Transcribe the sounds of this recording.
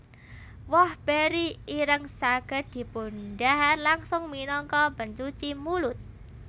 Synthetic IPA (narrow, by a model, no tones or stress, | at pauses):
wɔhb̥eɾiiɾəŋsaɡ̥ə̤d̪̥i̤punɖaɦarlaŋsʊŋminɔŋkɔbənt͡ʃut͡ʃimulʊt̪̚